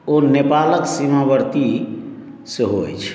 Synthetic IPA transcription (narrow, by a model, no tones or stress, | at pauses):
onepaləksimabəɾt̪i | səɦoj̰t͡ʃʰ